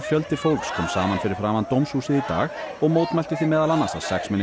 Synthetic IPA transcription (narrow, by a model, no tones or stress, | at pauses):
fjœlt̪ɪfowlkskʰɔːmsaːmanfɪɾɪɾ̥fɾaːmant̪owmshuːsɪðit̪a̰ːɣɔɣmoːwt̪mɛjlt̪ɪ̥θimɛːðalanːasa̰ðsɛ̰ksmɪnːɪ